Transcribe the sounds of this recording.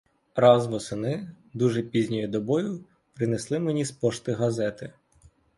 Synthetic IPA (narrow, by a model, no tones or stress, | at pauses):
ɾɑzʋɔsɪnɪ | d̪uʒɛpʲizʲnʲɔjʊd̪ɔbɔjʊ | pɾɪneslˠɪmenʲispɔʃt̪ɪɦɐzɛt̪ɪ